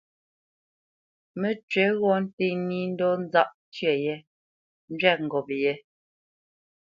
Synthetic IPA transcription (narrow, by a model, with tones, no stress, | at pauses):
me˦t͡ʃɥɛ˨˦ɣɔ˦n̩˦te˦˨ni˦n̩˦dɔ˦n̩˦za˦˨ʔ | tɥɛ˨jɛ˦ | n̩˦d͡ʒɥɛ˦˨k̚ŋ̩˨ɡɔ˨pjɛ˦